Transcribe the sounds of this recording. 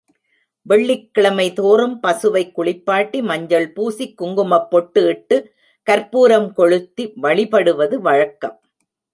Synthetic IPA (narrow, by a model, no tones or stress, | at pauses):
ʋɛɭːɪkːɪɭɐmɐɪt̪oːɾɯmpɐsɯʋɐɪkːʊɭɪpːaːʈːimɐɲd͡ʒɐɭpuːsikːʊŋɡɯmɐpːɔʈːɯɪʈːɯ | kɐɾpuːɾɐmkɔɻɯt̪ːiʋɐɭɪpɐɽɯʋɐðɯʋɐɻɐkːɐ̰m